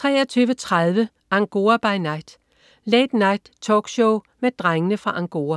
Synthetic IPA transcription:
t͡sʰʁɛ̰ːɐt͡sʰyːʊʋət͡sʰʁaðˠʋə | ʔæ̈ŋɡ̥o̝ːɐb̥ɑ̈ɪnɑ̈ɪ̰d̥ | leːd̥nɑ̈ɪd̥t͡sʰɒ̰ːɡ̥ɕɔʊmed̥ʁaŋənəfʁɑ̈ʔæŋɡ̥o̝̰ːɐ

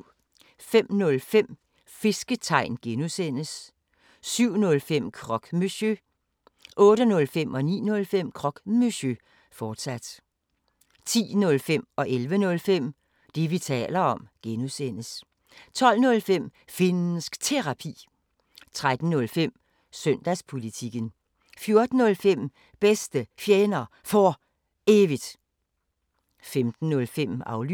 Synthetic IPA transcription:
fem̰nɔ̽lfem̰ | fe̝sɡ̥ət͡sʰɑ̈ɪ̰nɡ̥enusen̰əs | syʊ̰nɔ̽lfem̰kʰʁɒ̽ɡ̥mysø | ʔɔ̽ːɾənɔ̽lfem̰ɒ̽nḭːnɔ̽lfem̰kʰʁɒ̽ɡ̥myɕø | fɒːd̥sæd̥ | t͡sʰḭːnɔ̽lfem̰ɒ̽ʔelʋənɔ̽lfem̰ | d̥e̝ʋit͡sʰɛ̰ːlɐɒ̽mɡ̥enusen̰əs | t͡sʰɒ̽l̰nɔ̽lfem̰fenn̩sɡ̥t͡sʰe̝ʁɑ̈pʰḭː | t͡sʰʁad̥n̩nɔ̽lfem̰ | sœn̰d̥æspʰo̝lit͡sʰiɡ̥ən | fjo̝ɐd̥n̩ːɔ̽lfem̰ | b̥esd̥əfjenɐ | fɒ | e̝ʋid̥ | femd̥n̩ːɔ̽lfem̰ɑ̈ʊly

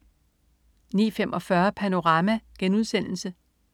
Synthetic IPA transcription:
nḭːfemʔɒ̽fɶɐpʰæno̝ʁɑ̈mæɡ̥enuð̞ˠsen̰l̩sə

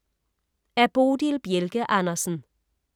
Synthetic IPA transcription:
æɐb̥oːdilb̥jelɡ̥əʔɑnɐsn̩

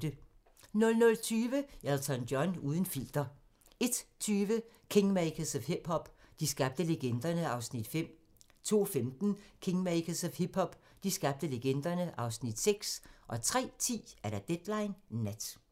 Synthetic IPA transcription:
d̥ə | nɔ̽lnɔlt͡sʰyːʋəælt͡sʰɒndjɒnuːð̞ˠən̩fil̰d̥ɐ | e̝d̥t͡sʰyːʋə | kʰeŋmæɪkʰəshib̥hɒ̽b̥d̥isɡ̥ɑ̈b̥̚d̥əleɡ̥end̥ɐnəɑ̈ʊsnid̥fem̰ | t͡sʰo̝̰ːfemd̥n̩kʰeŋmeɪkʰəshib̥hɒ̽b̥ | d̥isɡ̥ɑ̈b̥̚d̥əleɡ̥end̥ɐnəʔɑ̈ʊsnid̥seɡ̥sʔɒ̽t͡sʰʁɛ̰ːt͡sʰḭːæɐɾæd̥ed̥lɑ̈ɪnːæd̥

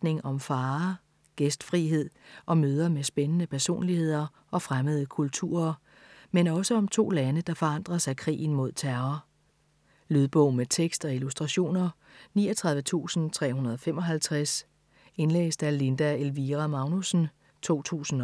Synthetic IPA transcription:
d̥ne̝ŋɒ̽mfɑ̈ː | ɡ̥esd̥fʁiɦe̝ð̞̰ˠʔɒ̽møːð̞ˠɐmesb̥enənəpʰæɐso̝̰ːnlihe̝ð̰ˠɐ | ɒ̽fʁaməð̞ˠəkʰult͡sʰṵːɐ | menɒ̽səɒ̽mt͡sʰo̝̰ːlænəd̥ɑ̈fɒ̽ɑ̈n̰d̥ʁɐsɑ̈ɪkʰʁḭːn̩mo̝ð̞̰ˠt͡sʰæɐɐ | lyð̞ˠb̥ɔʊ̰met͡sʰeɡ̥sd̥ɒ̽ilusd̥ʁɑ̈ɕo̝̰ːnɐ | niːɒt͡sʰʁɑ̈ð̞ˠʋət͡sʰṵːsn̩t͡sʰʁɛ̰ːhunɐð̞ˠɒ̽femɒ̽ɦælt͡sʰʁas | e̝nlḛːsd̥æɐle̝nd̥æelʋiʁamɑ̈ʊnusn̩ | t͡sʰo̝̰ːt͡sʰṵːsn̩

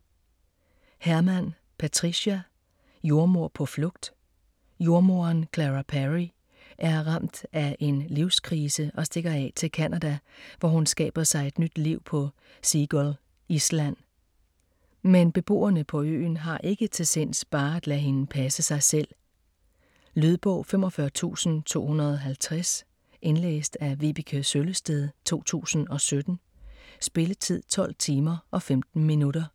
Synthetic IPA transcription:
hæɐmæn | pʰæt͡sʰʁiɕæ | jo̝ɐmo̝ɐ̰pʰɒ̽flɔ̽ɡ̥̚d̥ | jo̝ɐmo̝ɐnkʰlæʁæpʰæʁi | ʔæɐʁɑ̈m̰d̥æʔe̝nliʊskʰʁiːsəʔɒ̽sd̥e̝ɡ̥ɐɛ̰t͡sʰe̝lkʰænʔæd̥æʋɒhunsɡ̥ɛ̰ːb̥ɐsɑ̈ɪe̝d̥nyd̥liʊ̰pʰɒ̽ | siɡ̥ɔl | islæn̰ | menb̥e̝b̥o̝̰ːɐnəpʰɒ̽ø̰ːnɦɑ̈ʔe̝ɡ̥ət͡sʰe̝sen̰sb̥ɑ̈ːæd̥læɦe̝npʰæsəsɑ̈ɪsel̰ | lyð̞ˠb̥ɔ̰̽ʊ̰fem̰ɒ̽fɶɐt͡sʰṵːsn̩t͡sʰo̝̰ːhunɐð̞ˠɒɦælt͡sʰʁas | ʔe̝nlḛːsd̥æʋib̥ikʰøsøləsd̥eð̞ˠt͡sʰo̝̰ːt͡sʰṵːsn̩ɒ̽sød̥n̩ | sb̥e̝lət͡sʰið̰ˠt͡sʰɒ̽l̰t͡sʰiːmɐʔɒ̽femd̥n̩minuɾ̥ɐ

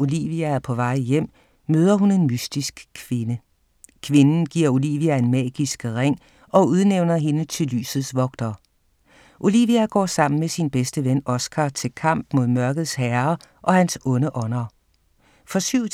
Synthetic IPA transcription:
ʔo̝liːʋiææɐpʰɒ̽ʋɑ̈ɪ̰jem̰ | møːð̞ˠɐɦune̝nmysd̥isɡ̥kʰʋe̝nə | kʰʋe̝nn̩ɡ̥iɐ̰o̝liʋiæe̝nmɛ̰ːɡ̥isɡ̥ʁeŋ̰ | ɒ̽uð̞ˠneʊnɐɦe̝nət͡sʰe̝ly̰ːsð̩ˠsʋɒ̽ɡ̥̚d̥ɐ | ʔo̝liːʋiæɡ̥ɒ̰ːsɑ̈m̰n̩mesinb̥esd̥əʋenɒ̽sɡ̥ʰɑːt͡sʰe̝lkʰɑ̈m̰b̥mo̝ð̞̰ˠmɶɐɡ̥ð̞̩ˠshæɐ | ʔɒ̽hænsɔ̽nəʔɒ̽nɐ | fɒ̽syʊ

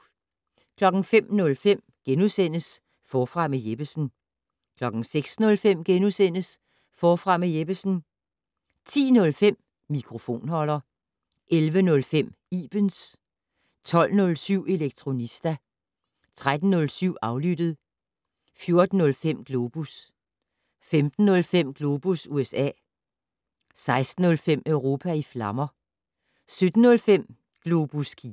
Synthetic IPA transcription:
kʰlɒ̽ɡ̥n̩fem̰nɔ̽lfem̰ɡ̥enusen̰əs | fɒːfʁɑ̈mejeb̥əsn̩ | kʰlɒ̽ɡ̥n̩seɡ̥snɔ̽lfem̰ɡ̥enusen̰əs | fɒːfʁɑ̈mejeb̥əsn̩ | t͡sʰḭːnɔ̽lfem̰ | mikʰʁo̝fo̝̰ːnɦɒ̽l̰ɐ | ʔelʋənɔ̽lfem̰ | iːb̥əns | t͡sʰɒ̽l̰nɔ̽lsyʊ̰e̝leɡ̥̚t͡sʰʁo̝nisd̥æ | t͡sʰʁad̥n̩ːɔ̽lsyʊ̰ɑ̈ʊlyd̥əð̩ˠ | fjo̝ɐd̥n̩ːɔ̽lfem̰ɡ̥lo̝ːb̥us | femd̥n̩ːɔ̽lfem̰ɡ̥lo̝ːb̥usuesɛ̰ː | sɑ̈ɪsd̥n̩ɔ̽lfem̰œʊʁo̝ːpʰæiflɑ̈mɐ | sød̥n̩ːɔ̽lfem̰ | ɡ̥lo̝b̥uskʰi

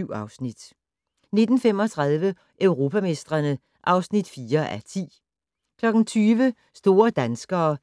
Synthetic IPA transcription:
ʊ̰ɑ̈ʊsnid̥ | ne̝d̥n̩fem̰ɒt͡sʰʁɑð̞ˠʋə | ʔøʊʁo̝pʰæme̝sd̥ʁɐnə | ʔɑ̈ʊsnid̥fiːɐʔæɐt͡sʰḭː | kʰlɒ̽ɡ̥n̩t͡sʰyːʋə | sd̥o̝ːɐd̥ænsɡ̥ɐː

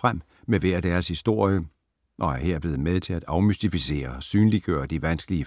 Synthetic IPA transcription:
ʁam̰ | meʋæɐd̥æːɐshisd̥o̝ɐ̰jə | ʔɒ̽æɐɦeɐ̰b̥le̝ːð̞̩ˠmeð̞ˠt͡sʰe̝læd̥ɑ̈ʊmysd̥ifise̝̰ːɐsyːnliɡ̥ø̰ːɐd̥iʋænsɡ̥əliə

